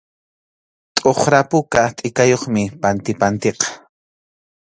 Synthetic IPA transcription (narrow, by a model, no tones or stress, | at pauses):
t̪ʼoχɾapʊkat̪ʼɪkajoχmɪpant̪ɪpant̪eqɑ̥